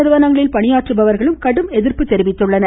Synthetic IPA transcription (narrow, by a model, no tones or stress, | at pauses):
ɐɾɯʋɐnɐŋɡɐɭɪlpɐɳɪjaːʈtrɯbɐʋɐɾɣɐɭɯmkɐɽɯmɛðɪɾpɯt̪ːɛɾɪʋɪt̪ːɯɭːɐnɐ